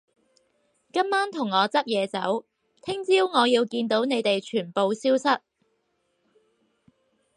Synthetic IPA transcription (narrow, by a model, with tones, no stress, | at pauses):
kɐ˥mːaː˥nt̪ʰʊ˨˩ŋːɔː˨˧t͡sɐ˥t̚jɛː˨˧t͡sɐ̰˨˥w | t̪ʰɪ˥ŋt͡siː˥wŋɔː˨˧jiː˧wkiː˧nt̪o˨˥wne˨˧jt̪e˨jt͡ʃʰyː˨˩npo˨˧wsiː˥wsɐ˥t̚